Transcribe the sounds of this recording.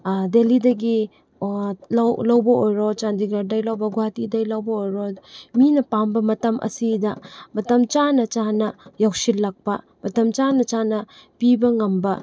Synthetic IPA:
delidɐɡi | lawlɐwbɐojɾot͡ʃandiɡɐɾ̚dɐjlɐwbɐɡuatidɐjlawbɐojɾominɐpambɐmɐtɐmʔɐ̰sidɐmɐtɐmt͡ʃanɐt͡ʃanɐjawksillɐk̚pɐ̰ | mɐtɐmt͡ʃanɐt͡ʃanɐpibɐŋɐmbɐ

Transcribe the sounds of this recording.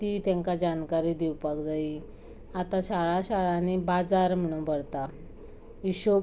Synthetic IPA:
t̪it̪ãŋkad͡ʑankaɾiːd̪iwpakd͡zai | at̪aɕaɭaɕaɭanibad͡zaɾm̤əɽ̃ũbʱəɽt̪a | iɕo

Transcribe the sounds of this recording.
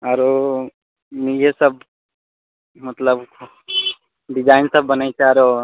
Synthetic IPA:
aɾo | nid͡ʒesəb̚ | mət̪ləb | ɖid͡ʒaːɪnsəbːənajt͡ʃʰaɾo

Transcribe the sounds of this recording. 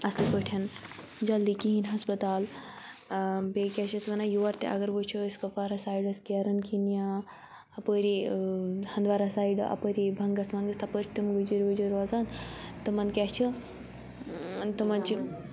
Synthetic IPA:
ɐsipəʈʰɐn | d͡ʒɐld̪ikiɦinɦɐspɐt̪aːl | bekʲat͡ʃʰɐt̪mɐnajuʋɐɾt̪ḛʔɐ̰ɡɐɾbət͡ʃʰoskɐpaːɾɐsaːjɖɐskeɾɐnkʰinja | ɐpəɾi | hɐnd̪ʋaɾɐsaːiɖɐ̰pəɾibʱɐŋɡɐsmɐnɡɐst̪ɐpəɾʈ̪imɡəd͡ʒuɾʋəd͡ʒuɾoːzaːnt̪ɨmɐnd̪kʲat͡ʃʰɐ | t̪ɨmɐnt͡ʃi

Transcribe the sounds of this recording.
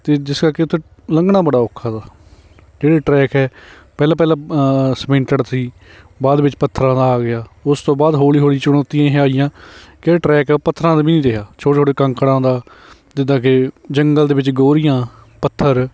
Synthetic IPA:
t̪eːd͡ʒɪskaːkɪt̪ʰːeː | ləŋɡɳãːbəɽaːokʰːaːd̪aː | d͡ʒeːɽeːʈɾɛːkɛː | pɛːlaːpɛːlãːsmɪ̃ɳʈəɽsiː | baːd̪ʋɪt͡ʃpət̪ʰːɾãːd̪aːaːɡɪjaːʊst̪õːbaːd̪ɦoːliːɦoːliːt͡ʃʊɽ̃oːt̪ijãːɦẽaːɪjãːkeːʈɾɛːkɛpət̪ʰːəɾãːd̪abiːnĩːd̪eɦjaːt͡ʃʰoːʈet͡ʃʰoːɽeːkəŋkəɽãːd̪aː | d͡ʒ̪ɪd̪ãːkɪd͡ʒəŋɡəld̪eːʋɪt͡ʃɡoːɾɪjãː | pət̪ʰːəɾ

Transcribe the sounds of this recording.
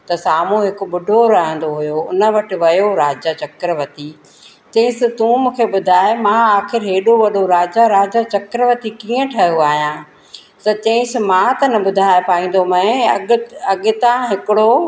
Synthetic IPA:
t̪ɐsaːm̤ũɦɪkʊ̆ɓʊɖʱoɾɐɦə̃nd̪oɦʊjoʊ̰nə̆ʋɐʈɪ̆ʋɐjoɾaːd͡ʑat͡ɕɐkɾəʋət̪iː | t͡ɕɐ̃ɦɪ̃sɪ̆t̪ũːmũːkʰeɓʊd̪ʱaːemãaːxɪɾɦeːɗoʋɐɗoɾaːd͡ʑaɾaːd͡ʑat͡ɕɐkɾəʋət̪ikiːə̃ʈʰɐɦjoaːɦijãː | sɐt͡ɕɐ̃ɪ̃sɪ̆mãt̪ɐnɐɓʊd̪ʱaːɪpaːĩːn̆d̪omɐ̃ɐɐɠɪ̆t̪ãɦɪkɪɽo

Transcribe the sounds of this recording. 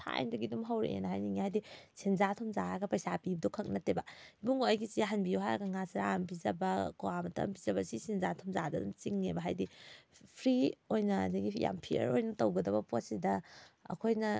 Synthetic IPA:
tʰa̰jndɐɡidumɦawɾeʔḛnɐɦajniŋihajdisenzatʰɔmzaɾaɡɐpɐjsapibɐdɔkʰɐk̚nɐtebɐibuŋoɐjɡit͡ʃiaɦɐnbiuwɦajaɡɐŋasɾampizɐbɐkoamɐtɐ̰mpizɐbɐsisenzatʰɔmzadɐdumt͡ʃiŋnebɐɦajdipʰɾiojnɐ̰dɐɡija̰mpʰiɐ̰ɾojnɐtɐwɡɐdɐbɐposidɐɐ̰kʰojnɐ

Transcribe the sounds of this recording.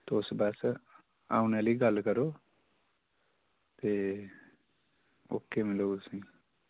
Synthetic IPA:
t̪oːsbaːs | a̰ːuneləiɡəlkəɾo | t̪e | o̰ːkːemɪlosə̃

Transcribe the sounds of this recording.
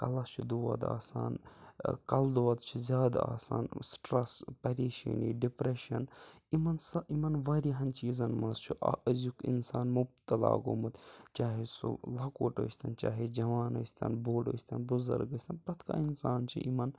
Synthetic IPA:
kɐlɐst͡ʃʰud̪oːɐ̰d̪a̰ːsa̰ːnkɐld̪oːɐd̪t͡ʃʰuzʲjaːd̪aa̰ːsa̰ːnsʈɾɐspɐɾeːʃḭnḭɖipɾeʃɐnimɐnsɐimɐnʋaɾiɦɐnt͡ʃiːzɐnmɐzt͡ʃʰuʔzukḭnsaːnmub̚t̪ɐla̰ːɡomut̪t͡ʃaːɦesṵlɐkoːʈə̰ːsʲt̪ʰɐnt͡ʃaːɦed͡ʒɐʋaːnɐst̪ʰɐ̰nboːlə̰ːst̪ʰɐnbuzɐ̰ɾɡəsʲt̪ʰɐnpɐt̪ʰka̰insaːnt͡ʃʰḭʔimɐn

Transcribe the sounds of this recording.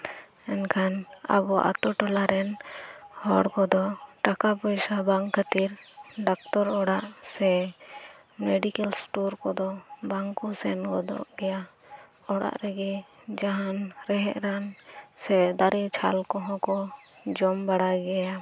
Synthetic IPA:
ɛnkʰana̰bɔʔa̰t̪ɔʈɔlaɾɛnhɔɽkɔd̪ɔʈakapɔjsabaŋkkʰːət̪iɾɖakt̪ɔɾɔɽaʔsɛ | mɛɖikɛlsʈuɾkɔd̪ɔbaŋkɔsɛnɡɔd̪ɔ̰ʔɡɛja | ɔɽa̰ʔɾɛɡi | d͡ʒaɦanɾɛɦɛʔɾansɛd̪aɾɛt͡ʃʰalkɔɦɔ̃kɔ | d͡ʒɔmbaɽaɡɛja

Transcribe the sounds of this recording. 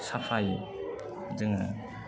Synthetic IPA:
sapʰaj | zɯŋa̰

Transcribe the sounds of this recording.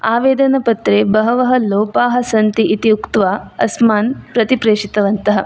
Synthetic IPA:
aːʋeːd̪ɐnɐpɐt̪ɾeːbɐɦɐʋɐɦɐloːpaːɦɐsɐnt̪iʔit̪iukt̪ʋaːɐ̰smaːnpɾɐt̪ipɾeːʂit̪ɐʋɐnt̪ɐɦɐ̰

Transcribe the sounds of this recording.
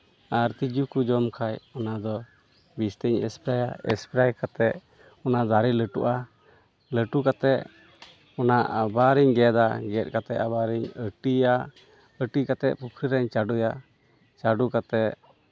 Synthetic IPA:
aɾt̪id͡ʒukud͡ʒɔmkʰajɔnad̪ɔ | bist̪əɲɛ̰spɾajaɛ̰spɾajkat̪ɛʔ | ɔnad̪aɾɛləʈuʔa | ləʈukat̪ɛ | ɔnaʔabaɾiɲɡɛd̪aɡɛt̚ˀkat̪ɛʔabaɾiɲəʈia | əʈikat̪ɛʔpukʰɾiɾɛɲt͡ʃaɖuja | t͡ʃaɖukat̪ɛʔ

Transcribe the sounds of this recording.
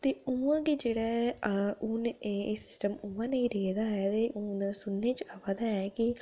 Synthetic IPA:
t̪eːuːãːked͡ʒeːɽɛː | ʊneːsɪ̥sʈəmʊːãːnəĩːɾeːd̪aːɛːt̪eːʔʊːnsʊnːeːt͡ʃaʋad̪aːɛːki

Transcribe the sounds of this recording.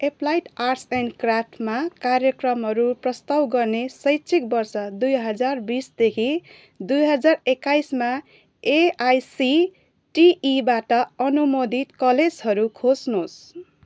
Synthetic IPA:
eplajʈarsenɖkrap̚ʰʈʰmakaɾjʌkrʌmɦʌɾuprʌst̪awɡʌrnesʌjtːt͡sʰik̚bʌrsʌd̪ujɦʌd͡zarbisd̪ekʰi | d̪ujɦʌd͡zarekːajsma | eajsi | ʈiibaʈʌʌnumod̪ʱit̪kʌled͡zɦʌɾukʰosnos

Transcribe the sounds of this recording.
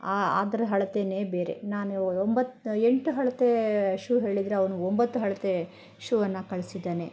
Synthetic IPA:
aa̰ːd̪ɐɾɐɦɐɭɐt̪eːnebe̞ːɾe̞̰naːnuombɐt̪ːeɳʈuɦɐɭɐt̪eʂuːɦe̞ːɭid̪ɾeɐʋɐnuombɐt̪ːuɦɐɭɐt̪e̞ | ʃuːʋɐnːɐkɐɭisid̪ːeːne

